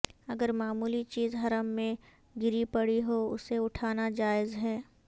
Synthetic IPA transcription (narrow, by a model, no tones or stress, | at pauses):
ɐɡəɾmaːmuːlit͡ʃiːzɦɐɾəmːẽ | ɡɪɾipɐɽiɦoʊseʊʈʰaːnad͡ʒaːɪzɦɛː